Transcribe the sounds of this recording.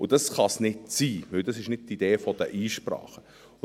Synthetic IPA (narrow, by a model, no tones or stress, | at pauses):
ʊd̥ɑsχɑsnɪtsiːʋɪld̥ɑsɪʃnɪd̚tːid̥eːfɔd̥əʔiːʃprɑ̰ːχə